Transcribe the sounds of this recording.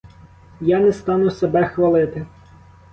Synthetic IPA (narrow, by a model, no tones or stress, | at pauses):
janɛst̪ɑnʊsebɛxʋɐlˠɪt̪ɪ